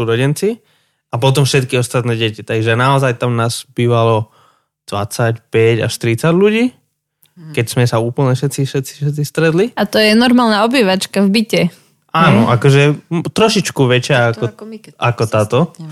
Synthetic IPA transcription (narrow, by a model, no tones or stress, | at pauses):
suɾɔɟɛnt͡si | ap̬ɔt̪̬ɔmfʃɛt̪kiɔst̪at̪nɛːɟɛcit̪aɡʒɛnaɔzajt̪amnaːzbiːʋalɔ | d̪̥ʋa̰t͡sacpɛɟa̰ʃt̪iɾit͡saɟluɟiː | kɛcsmɛsauːpl̩ɲɛʃɛt̪t͡siʃɛt̪t͡si̥ʃɛt̪t͡sist̪ɾɛt̪liat̪ɔjɛnɔɾmaːlnaɔbiːʋat͡ʃkavbicɛ | aːnɔʔakɔʒɛt̪ɾɔʃit͡ʃkuʋɛt͡ʃɪaakkɔakɔt̪aːt̪ɔ